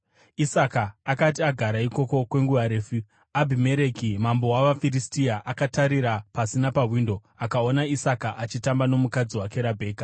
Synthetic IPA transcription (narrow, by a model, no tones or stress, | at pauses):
isakaːkat̬iaɡʱaɾaiko̞ko̞kwe̞ŋɡuʋaɾe̞ːfu | abʱime̞ɾekimambo̞waʋafiɾistiaʔakataɾiɾapasinapaɦwiːndo̞ | akao̞naisakaʔat͡ʃitambano̞mukad͡ziwake̞ɾabʱe̞ːkḁ